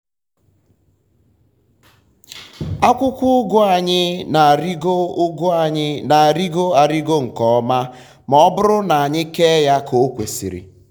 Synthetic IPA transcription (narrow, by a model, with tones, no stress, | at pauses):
a˦kʷʊ˦kʷʊ˦ɡʊ˦a˨ɲɪ˦na˨a˨ɾi˦ɡo˦ʊ˦ɡʊ˦a˨ɲɪ˦na˨a˨ɾi˦ɡo˦a˨ɾi˦ɡo˦ŋ̩˨kɔ˨ɔ˦ma˦ | mɔ˦bʊ˦ɾʊ˦na˨a˨ɲɪ˦ke˦ja˦kʰo˨˦kʷe˨sḭ˨ɾɪ̰˨